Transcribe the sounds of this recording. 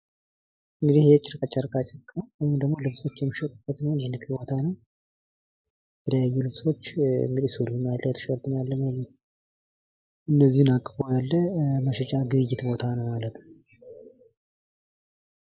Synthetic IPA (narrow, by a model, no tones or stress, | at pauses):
ʔɨŋɡɨd̪ihjɛt͡ʃʼːɪɾɨkʼat͡ʃʼːaɾkʼat͡ʃʼəɾkʼnəwwɔjɪmd̪əɡmo̞lɨβso̞t͡ʃːjɛmːiʃət̪ʼub̥ːət̪nəwnhenɨkʼbo̞t̪ʰanəw | jɛt̪ʰələjajːulɨβso̞t͡ʃːɨ̰ŋɡɨd̪ihsuɾɨmjalːət̪ʰə̥ʃwɾt̪ʼɨmjalːəməjɛ | ʔɨnːəzːihɨnakʼːəbojalːəməʃɛt͡ʃʼaɡɨɨjːɪt̪bo̞t̪ʰanəwmalət̪nə